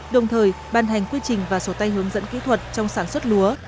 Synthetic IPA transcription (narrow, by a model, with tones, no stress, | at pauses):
ɗə˨˩wŋ͡mt̪ʰəː˨˩j | ɓaː˨˩nɦa˨˩jŋ̟kwi˧t͡ɕï˨˩ŋ̟vaː˨˩so˨˦t̪a˧jɦɨ˨˦əŋzə̰˧˥nkḭ˧˥t̪ʰwə˨˩t̚t͡ɕɔ˧wŋ͡msaː˧˩nswə˦˥t̚lu˨˦ə